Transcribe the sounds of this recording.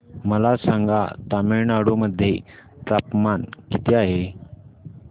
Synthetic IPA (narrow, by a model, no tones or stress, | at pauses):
məlasãŋɡʱa̰t̪ameɭnaɽoməd̪ʱːje | t̪ɾapmankit̪eaɦe